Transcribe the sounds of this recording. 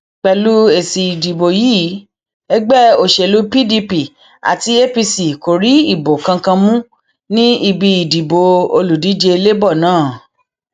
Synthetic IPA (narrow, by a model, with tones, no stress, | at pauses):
k͡pɛ˧lu˦e˨si˨i˨di˨bo˨jiː˦ | ɛ˦ɡ͡bɛ˦˨o˨ʃe˨lu˨˦pi˦di˧pi˨ | a̰˨ti˧e˦pi˧si˨ko˨ɾi˨˦i˦˨bo˨kã˧kã˧mũ˦ | nĩ˦i˧bi˧i˨di˨bo˨o̰˧lu˨di˨˦d͡ʒe˧i˧le˦bɔ˦˨nãː˦˨